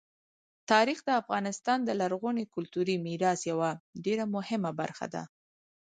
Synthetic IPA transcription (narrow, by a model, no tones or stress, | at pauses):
t̪ɑɾixd̪əafɣɑnɪst̪ɑnd̪əlaɾɣonekʊlt̪uɾimiɾɑsjawaɖeɾamʊhɪmaba̰ɾxa̰d̪a̰